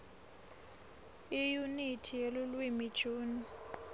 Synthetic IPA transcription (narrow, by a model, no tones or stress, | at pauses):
ijunitʰijelulwimid̥ʒ̥ʱuːni